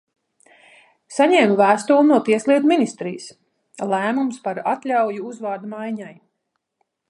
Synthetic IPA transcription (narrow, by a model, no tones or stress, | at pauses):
saɲɛːmuvæːst̪uːlˠnuɔpiɛslˠiɛt̪minist̪ɾiːjs | lˠæːmumspaɾat̪lʲawjuuzvaːd̪majɲaj